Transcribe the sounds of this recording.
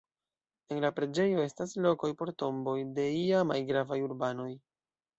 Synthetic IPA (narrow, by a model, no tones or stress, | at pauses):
e̞nlapɾe̞d͡ʒe̞jo̞e̞staslo̞ko̞jpo̞ɾto̞mbo̞jde̞iamajɡɾavajuɾbano̞j